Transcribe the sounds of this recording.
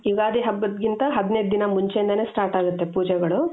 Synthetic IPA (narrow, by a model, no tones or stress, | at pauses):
iɡaːd̪iɦɐbːɐd̪ɡint̪ɐɦɐd̪nejd̪d̪inɐmuɲt͡ʃeind̪ɐne̞ːsʈaːɾʈaːɡut̪ːe̞puːd͡ʒɛɡɐɭu